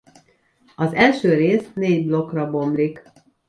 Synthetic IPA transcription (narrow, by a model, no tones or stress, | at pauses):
ɒzɛlʃøːɾeːsneːɟblo̞krɒbo̞mblik